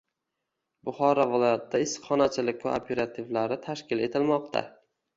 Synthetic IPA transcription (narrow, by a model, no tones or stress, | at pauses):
bʊχɒɾavɪlˠɒjat̪d̪aɪsχɒnat͡ʃʰɪlɪkʲva̰o̰pʰe̞ɾat̪ʰivlaɾɪt̪ʰaʃkʲɪle̞t̪ʰɪlmɒqt̪ʰa̰